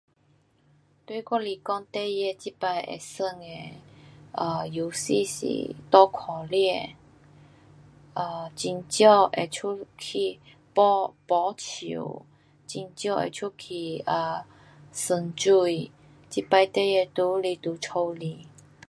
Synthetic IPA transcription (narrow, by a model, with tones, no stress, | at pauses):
t̪wi˧˦kɔ˥˧li˨˩kɔ˥˧ŋt̪e˧jɛ˧t͡ɕi˦˥pa˧jḛ˨˩sə˧ŋe˧ʔə˧˩ju˨˦sḭ˥˧sḭ˨˩t̪ɔ˥˦kʰɔ˨˩lɛ˥˧ | ʔə˧˩t͡ɕi˧nt͡ɕjɔ˥˧ʔe˨˩t͡ɕʰu˥kʰi˨˩ | pɔ˧pɔ˧˦t͡ɕʰḭ˨˧˨w | t͡ɕi˧nt͡ɕjɔ˥˧˨ʔḛ˨t͡sʰu˦kʰi˧˩ə˨˩ | sə˧˩nt͡su˧˩j | t͡ɕi˥pa˧jt̪e˥˧jɛ˧t̪u˧˦li˧t̪u˨˩t͡sʰo˧wli˧˩